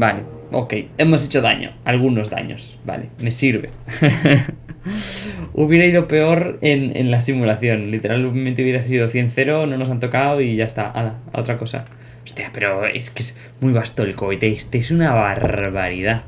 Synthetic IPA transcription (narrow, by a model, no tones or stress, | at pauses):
baleoke̞je̞mo̞s̬et͡ʃoða̰ɲo̰alɣ̞uno̞zða̰ɲo̰s | ba̰lḛme̞siɾβḛ | uβjeɾaið̞ope̞oɾenḛnlas̬imulaθjo̞nlit̪e̞ɾʔalmẽnt̪euβjeɾasið̞oθje̞n̟θeɾonono̞s̬ant̪o̞kawiʝaest̪a̰ʔa̰laa̰o̰t̪ɾako̞sa̰ | ost̪iapeɾoḛskes | mujβast̪olikojt̪est̪esunaβaɾβaɾið̞a